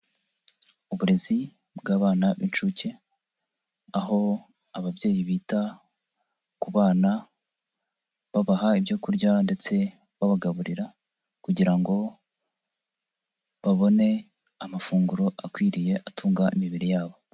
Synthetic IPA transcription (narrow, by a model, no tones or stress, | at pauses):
uβuɾe̞zi | bɡaːβaːnaβint͡ʃuce | aɦo̞ | aβabɟe̞ːjiβiːta | kuβaːna | βaβaɦaibɟo̞kuɾɟande̞t͡se̞ | βaβaɡaβuɾiɾa | kuɟiɾaŋɡo̞ | βaβo̞ne̞ | amafuːŋɡuɾo̞ʔakwiːɾije̞ʔatʰuːŋɡaʔimiβiɾijaːβo̞